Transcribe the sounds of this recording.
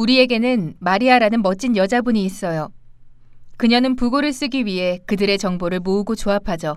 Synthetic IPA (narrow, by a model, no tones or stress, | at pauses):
uɾie̞ɡe̞nɯnmaɾiaɾanɯnmʌt͡ɕ͈injʌd͡ʑabuɲiːs͈ʌjo | kɯɲʌnɯnpuɡoɾɯɭs͈ɯɡiɥiɦe̞kɯdɯɾe̞t͡ɕʌŋboɾɯɭmouɡot͡ɕoapʰad͡ʑo